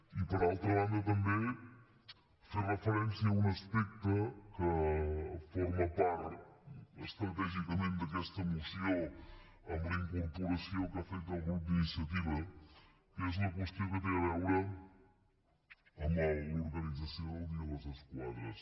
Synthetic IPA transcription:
ipəɾalˠt̪ɾɐβand̪ɐt̪ɐmbe | ferəfəɾɛnsjiɐunɐspɛk̚t̪ɐkə | fɔɾmɐpaɾt̪ | əst̪ɾɐt̪ɛʒikɐmẽnt̪d̪ɐkɛst̪ɐmusjo | ɐmɐiŋkuɾpuɾɐsjowkafejt̪ɐlɣɾup̚d̪inisjɐt̪̬iβɐ | kɛzulɐk̬ost̪jokət̪eɐβɛwɾɐ | ɐmɐuɾɣɐnid̪d͡zɐsjowd̪iɐβazɐskwaðɾɐs

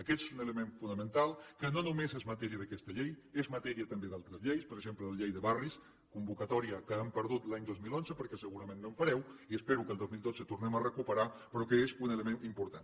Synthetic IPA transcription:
əkɛt̪ezunələmeɱfunəmənt̪alˠkənonumezezmət̪ɛɾiəðəkɛst̪əʎejezmət̪ɛɾiət̪əmbeðalˠt̪ɾəzʎejspəɾəɡʒemplələʎejðəβaris | kumbukət̪ɔɾiəkəəmpəɾð̞ut̪laɲd̪ozmilonzəpəɾkɛsəɣuɾəmẽnːoɱfəɾɛwiəspeɾukəlˠd̪ozmilˠd̪od͡zət̪urnɛmərəkupəɾapəɾɔkəezunələmenimpuɾt̪an

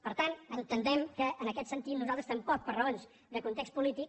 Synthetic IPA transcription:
pəɾt̪anənt̪ənd̪ɛmkəʔːnəkɛt̪sənt̪it̪nuzalˠt̪ɾəst̪əmpɔk̚pərəonz | d̪əkunt̪ekst̪pulit̪ik

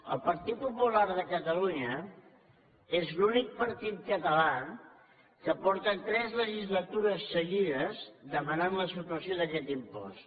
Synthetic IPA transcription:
ə̰lˠpəɾt̪it̪̚pupulaɾðəkət̪əluɲə | ezlunik̚pəɾt̪it̪̚kət̪əla | kəpɔɾt̪ət̪ɾɛzləʒizlət̪uɾəsːəɣiðəzðəmənanləsut̪uəsjoðəʒɛt̪impɔ̰s

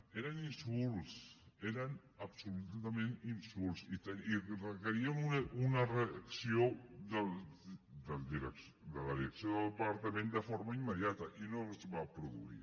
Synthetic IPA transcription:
eɾaninsulseɾan | apsulut̪amẽninsulsit̪eirekaɾiamuunareksjod̪əld̪əld̪iɾeks | d̪əlaðiɾeksjoðəlˠpaɾt̪amẽnd̪əfoɾmaimːeðjat̪ɐʔinozβapɾuðṵḭɾ

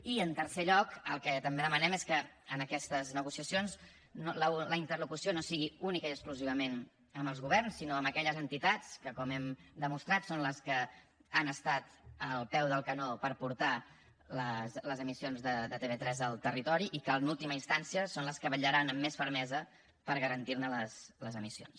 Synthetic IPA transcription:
iənt̪əɾseʎɔkə̰lˠkɛt̪əmbeðəmənɛmeskəənəkɛst̪əznəɣ̞usiəsions | nolələint̪ərlukusionosiɣiunikəiəkskluziβ̞əmen | əməlˠzɣuβ̞ɛrnsːinoəməkɛʎəzənt̪it̪at͡skəkɔmɛmd̪əmust̪ɾat̪sonləskə | anəst̪at̪əlˠpɛwðəlˠkənopəɾpuɾt̪a | ləsləzəmisionzðəd̪ət̪eβet̪ɾɛzəlˠt̪ərit̪ɔɾiʔikənulˠt̪iməinst̪ansiəsonləskəβəʎəɾanəmːesfəɾmɛzə | pəɾɣəɾənt̪iɾnələsləzəmisio̰ns

